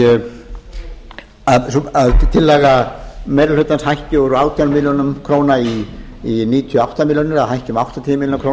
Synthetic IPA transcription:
aðsaðt̪ʰɪlːɛɣamɛɾalœɥt̪anshajhcɪɔɾʏaːwt̪ʰjanmiːljɔnʏmkʰɾoːwnaiː | niːt̪ʰjɔawht̪amiljonɪɾaðɦajhcʏmawht̪ant̪ʰiːmilnakʰɾown

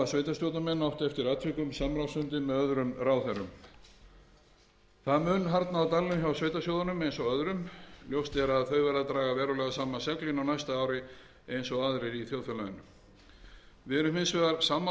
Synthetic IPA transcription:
asveːjt̪ast̪jɔwt̪amɛnːawht̪ɛft̪ɪɾat̪ʰʏkʏmsamɾawsʏnt̪ɪmɛðœðɾʏmɾawθɛɾʏm | θamʏnːɦaɾt̪naːawt̪alːʏmçawsvejt̪asjowðanʏmejnsɔɣœðɾʏmljowst̪ɛɾaðθœɥvɛɾðat̪ɾaːɣavɛːɾʏlɛɣasaːmasɛklɪnawnajst̪aaːwɾɪ | ejnsɔɣaːðɾɪɾiθjowðfʏlaðʏnʏm | vɪɾʏmɪnsvɛðaɾsaːmːa

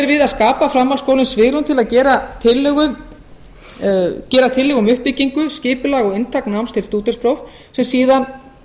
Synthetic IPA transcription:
ɛɾvɪðaðskaːpafɾamːalskowlɪnsvɪːɣɾʏnt̪ʰɪlaðcɛːɾat̪ʰɪlːɛɣʏm | cɛːɾat̪ʰɪlːɛɣʏmʏhpɪciŋkʏscɪːpʏlaɣɔɣɪnt̪ʰaknawmst̪ʰɪlst̪uːt̪ʏ̥spɾowf | sɛmsiːðan

